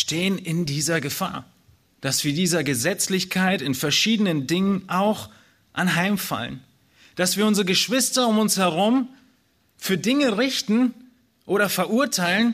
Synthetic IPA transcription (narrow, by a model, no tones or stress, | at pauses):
ʃteːənɪndiːzɐɡəfa̰ːɐ | d̥asv̥iːɐdiːzɐɡəzɛt͡slɪçkʰaɪtɪnfɛɐʃiːdənəndɪŋənʔaʊx | ʔanɦaɪmfa̰lə̰n | d̥asv̥iːɐʊnzʁəɡəʃv̥ɪstɐʊmʊnshɛʁ̞ʊm | fyːɐdɪŋəʁɪçtn̩ | ʔoːɾɐfɛɐʔuɐtʰaɪlən